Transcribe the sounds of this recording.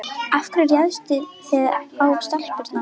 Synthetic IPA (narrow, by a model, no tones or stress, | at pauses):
afkɾaɾjaðst̪ʏ | ɛðawpst̪al̥pʏɾt̪na